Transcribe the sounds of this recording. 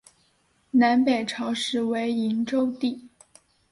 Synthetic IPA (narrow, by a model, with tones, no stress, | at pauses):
na˧˥npe˨˩ɪʈ͡ʂʰɑ˧˥ʊʂɻ̩˧˥we˧˥ɪi˧˥nʈ͡ʂo˥ʊt̪i˥˩